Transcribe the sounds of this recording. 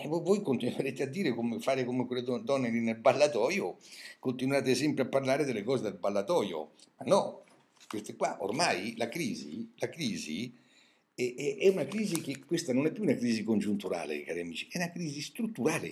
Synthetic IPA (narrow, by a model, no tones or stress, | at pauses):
vovojkont̪inweɾeːt̪ead̪ːiːɾekomɪfaːɾekomekwelːed̪ɔd̪ɔnːelinelbalːat̪ɔːjokont̪inwaːt̪esɛmpɾeapːarlaːɾed̪elːekɔːzed̪elbalːat̪ɔːjo̰manːɔ | kest̪ekwaʔo̰rmajlakɾiːzḭlakɾiːzḭ | ɛɛʔɛunakɾiːzikekːwest̪anonɛpːjuunakɾiːzikond͡ʒunt̪uɾa̰ːlḛkaːɾɛamiːt͡ʃi̥ɛunakɾiːzist̪ɾut̪ːuɾaːlḛ